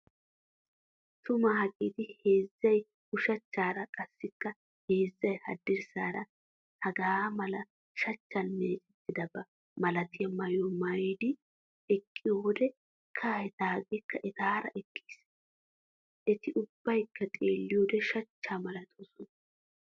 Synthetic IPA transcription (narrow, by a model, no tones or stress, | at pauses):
t̪ʊmɐhɐkʼit̪ɪhe̞ːzːɐj | ʊʃɐt͡ʃːaːɾɐkʼɐsːɪkːɐ | he̞ːzːɐjhɐ̰d̪ːɪɾsaːɾɐ | hɐɡaːmɐlɐ | ʃɐt͡ʃːɐnmeːt͡ʃʼɛt̪ːɪd̪ɐbːɐ | mɐlɐt̪ɪjɐmɐjɔmɐjd̪ɪ | ɛkʼːɪjoːd̪ɛ | kʰahɛt̪aːɡekːɐʔɛt̪aːɾɐ̰ʔɛkʼːi̥ːs | ʔɛt̪ɪʔʊbːɐjkːɐt̪ʼeːlːɪjoːd̪ɛʃɐt͡ʃːaːmɐlɐt̪ʰoːsɔn